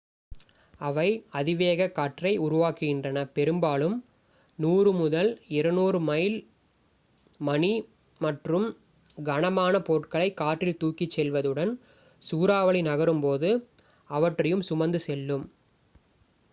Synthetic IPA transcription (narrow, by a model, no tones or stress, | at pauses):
ɐʋɐɪɐðɪʋeːɣɐkːaːʈrɐɪʊɾʊʋaːkːɯɣɪndrɐnɐpɛɾɯmbaːlɯm | nuːrɯmʊðɐlɪɾɯnuːɾɯmɐɪl | mɐni | mɐʈrɯm | ɡɐɳɐmaːnɐpoːʈkɐɭɐɪkːaːʈrɪlt̪uːkɪt͡ʃːɛlʋɐðɯɽɐn | suːɾaːʋɐɭɪnɐɣɐɾɯmpoːðɯ | ɐʋɐʈrɐjɯmsʊmɐnd̪ɯsɛlːɯm